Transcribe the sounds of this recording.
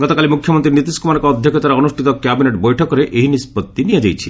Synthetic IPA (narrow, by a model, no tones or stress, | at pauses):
ɡ̥ɔt̪okalimukʰːjomont̪ɾinit̪iskumankɔd̪ʱːoket̪aɾaonuʃʈʰit̪okːɛbineʈbojʈʰokoɾeʔeɦinispot̪ːinijed͡ʑajt͡ɕʰi